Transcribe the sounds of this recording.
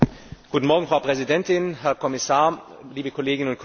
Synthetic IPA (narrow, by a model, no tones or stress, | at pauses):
ɡ̥uːtn̩mɔɐɡŋ̩fʁ̥aʊpʁ̥ɛzidɛntɪnɦɛɐkʰɔmɪsaːɐ | liːbəkʰɔleːɡɪnənʊnkʰ